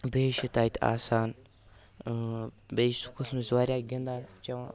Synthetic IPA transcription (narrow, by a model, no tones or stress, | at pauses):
beːʃit̪aːit̪ʰa̰ːsaːn | besu̥kʰusmizaːɾʲjaːɡʲind̪aːt͡ʃɐʋãː